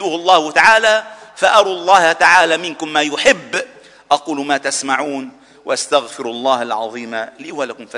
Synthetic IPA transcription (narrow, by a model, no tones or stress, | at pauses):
uːhɑlˤːɑːhʊt̪aʕaːlafaʔɑɾˤuːlˤːɑːhat̪aʕaːlaːmɪnkʊmːaːjʊħɪbː | ʔɑquːlmaːt̪asmaʕuːn | waʔast̪aɣfɪɾʔɑlˤːɑːhalʕɑ̰ðˤiːmaliːwalakʊmfa